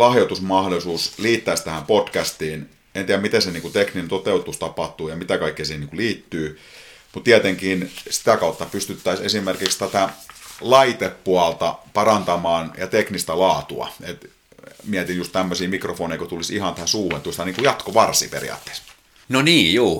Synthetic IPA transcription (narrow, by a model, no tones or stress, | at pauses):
lɑhjot̪usmɑhdolisuːsliːt̪ːæːˑst̪æhæmpotkæst̪iːn | ent̪iæmit̪eseniːŋkut̪ekninent̪ot̪eut̪ust̪ɑpɑht̪uːjɑmit̪ækɑikːiːsiːheniːŋkuliːt̪ːyː | mut̪t̪iæt̪eŋkiːnsi̥t̪ækɑˑut̪ːɑpyst̪yt̪ːæisḛsimerkikst̪æt̪ælɑit̪epːuɑlt̪ɑpɑrɑnt̪ɑmɑːnjɑt̪eknist̪ælɑːt̪uɑ̰et̪ | miæt̪injust̪t̪æmːøsiːmikrofoːneˑikot̪ulisihɑnt̪æhænsuːhent̪ust̪ɑniŋkujɑt̪koʋɑrsḭːpḛrḭɑ̰ːt̪ːe̥ːˑs | noniːjuː